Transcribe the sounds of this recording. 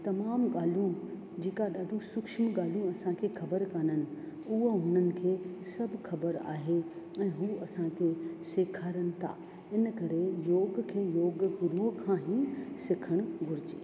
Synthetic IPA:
t̪ɐmaːmɠaːl̤ũ | d͡ʑeːkaɗaːɖʱõsʊkʃmɠaːlũɐsãkʰeːxʰɐbəɾkaːnənɪ̆ | uɦəɦʊnənɪ̆kʰeːsɐbʱxɐbəɾa̰ːɦe | ɛ̃ːɦuːɐsãkʰeːseːkʰaːɾənɪ̆t̪ʰa̰ː | ɪnkɐɾejoːɡkʰeːjoːɡɡʊɾuɦkʰãːɦĩsɪkʰəɽ̃ɡʱʊɾɪd͡ʑḛː

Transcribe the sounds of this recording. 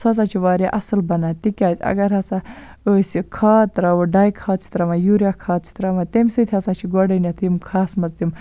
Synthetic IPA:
sɐs̬at͡ʃʰiʋaːɾjaʔɐsɨlbɐnaːt̪ikʲaːt̪ʰʲɐ̰ɡɐɾɦɐsa | əsʲikʰaːt̪ɾaːwuɖaːjkʰaːt̪̚t͡sʰi̥t̪ɾɐmajuɾjakʰaːt̪̚t͡sʰi̥t̪ɾamat̪emʲsɨt̪ʲʰɐsat͡ʃʰiɡoɖɐnʲat̪ʰimkʰaːsmɐzt̪im

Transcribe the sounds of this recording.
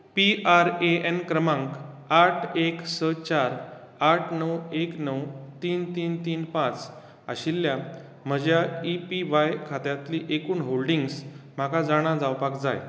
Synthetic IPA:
piaɾeenkɾəmãŋkaʈʰeksət͡ɕaɾ | aʈʰnəweknəwt̪iːnt̪iːnt̪iːnpãt͡s | a̰ɕilːja | m̤əd͡ʑjaipiʋajkʰat̪jat̪liʔekuːnɦolɖiŋɡsm̤akʰad͡zaɽ̃ãd͡zawpakd͡za̰j

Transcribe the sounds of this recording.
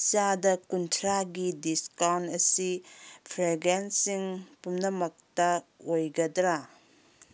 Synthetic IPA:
t͡ʃadɐkuntʰɾaɡidiskawntɐsipʰɾeɡensiŋpumnɐmɐk̚tɐojɡɐdɾa

